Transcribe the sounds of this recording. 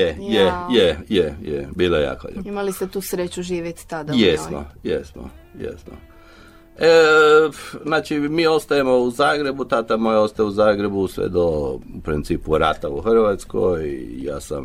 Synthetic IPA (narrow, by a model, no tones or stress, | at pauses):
jejejejejḛbiːlojeja̰ːko̰jḛimalist̪et̪uːsɾet͡ɕuʒiːʋjet̪t̪ad̪ajeno̰jḛsno̰jḛst̪no̰ | e | znaːt͡ʃimiːo̞st̪ajemo̞uzaːɡɾe̞but̪at̪amojeost̪ajeuzaːɡɾe̞busʋḛd̪oupɾint̪siːpuɾat̪auxr̩ʋat̪skojḭja̰ːsa̰m